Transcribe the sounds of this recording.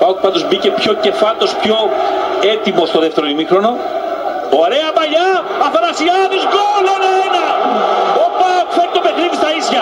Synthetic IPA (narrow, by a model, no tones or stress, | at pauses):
pɐot̪̚pɐnd̪ozbice̞pçoce̞fɐt̪ospçoet̪imost̪oðeft̪eɾoimixɾo̞no̞ | oaɾeɐpɐʎɐ | ɐfɐɾɐsiɐðizɣolonɐenɐ | opɐfeɾt̪opexniðist̪ɐisçɐ